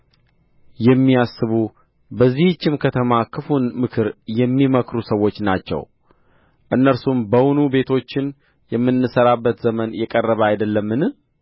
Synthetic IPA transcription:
jɛmːiasːɨβu | bəzːiht͡ʃːɪmkʰət̪ʰəmakʰɨfunmɨkʰɨɾjɛmːiməkɾusəwo̞t͡ʃːnat͡ʃːɛ̰w | ʔɨnːəɾsumbəwunube̞t̪ʰo̞t͡ʃːɪn | jɛmːɨnːɨsəɾabːət̪zəmənjɛkʼərːəβəajd̪əlːəmːɨnɨ

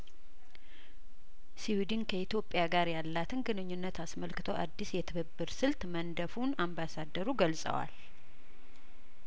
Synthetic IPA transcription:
siwid̪inkʰəit̪jo̞pʼːjaɡaɾjalːat̪ʰɨnɡɨnɨɲːunːət̪ʰasməlkɨt̪ʰoʔa̰d̪ːisjɛt̪ʰɨβɨbːɨɾsɨlt̪mənd̪əfunambasad̪ːəɾuɡəlsʼə̰wa̰l

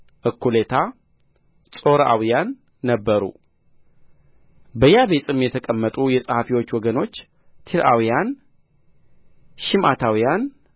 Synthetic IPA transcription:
ʔɨkʰːulet̪ʰa | sʼo̞ɾʔa̰wijanː | əbːəɾṵ | bəjaβe̞sʼɨmjɛt̪ʰəkʼəmːət̪ʼujɛsʼəhafiwo̞t͡ʃːwɔɡəno̞t͡ʃː | t̪ʰiɾawijan | ʃɪmʔat̪ʰawijan

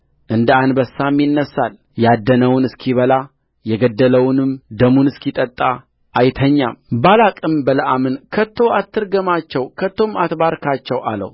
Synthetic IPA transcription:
ʔɨnd̪əanbəsːamjɪnːəsːal | jad̪ːənəwʊnɨskʰiβəla | jɛɡəd̪ːələwnɨmd̪əmunɨskit̪ʼət̪ʼːa | ʔːjt̪ʰəɲːa̰mbalakʼɨmbələʔamɨnkʰət̪ʰːo̞at̪ʰːɨɾɡəmat͡ʃːɛwkʰət̪ʰːo̞mat̪baɾkʰat͡ʃːɛwa̰lə̰w

